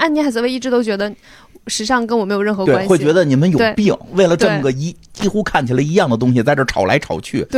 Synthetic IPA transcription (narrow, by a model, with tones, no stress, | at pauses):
a˥˩ni˧˥a˧˥t͡sə˧˥e˥˧ɪi˥˩ʈ͡ʂɻ̩˧˥o˥ʊt͡ɕɥɛ˧˥d̪ə˧ | ʂɻ̩˧˥ʂɑ˥˩˧ŋkə˥nwɔ˨˩m˧˥ɪjɻə˥˩nxɤ˧˥twe˥a˩˥xwe˥˩ɪt͡ɕɥɛ˧˥d̪ə˧ni˨˩mə˦njo˨˧˩eʊ˥˧pi˥˩ŋwe˥˩ɪlə˩ʈ͡ʂɤ˥˩n˩ɡə˩i˧˥t͡ɕi˥xu˥kʰa˥˩nt͡ɕʰi˨˩lə˦i˧˥jɑ˥˩ŋd̪ə˩t̪̬ʊ˥ŋɕi˨˩t͡sa˥˧ɪʈ͡ʂɤ˥˩ʈ͡ʂʰɑ˨˩ʊlʔa˧˥ɪʈ͡ʂʰɑ˨˩ʊt͡ɕʰy̰˥˩